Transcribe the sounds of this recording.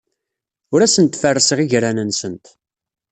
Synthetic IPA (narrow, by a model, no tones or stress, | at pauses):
ʊɾæsənt̪fərːəsəʁiʝɾænənsənt̪